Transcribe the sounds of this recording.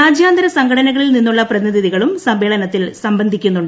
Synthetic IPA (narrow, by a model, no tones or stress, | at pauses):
aːd͡ʑjaːnd̪ɐɾɐsɐŋɡʰɐɽɐnɐɣɐɭilninːuɭːɐprɐðiniðiðiɣɐɭumsɐmbeːɭɐnɐt̪ːilsɐmbɐnd̪ʱikʲːunːuɳɖɨ